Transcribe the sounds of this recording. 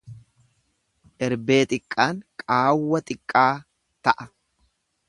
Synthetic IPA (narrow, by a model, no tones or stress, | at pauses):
ʔɛɾbe̞ːt̪ʼɪkʼːaːŋkʼaːwːɐt̪ʼɪkʼːaː | t̪ɐʔɐ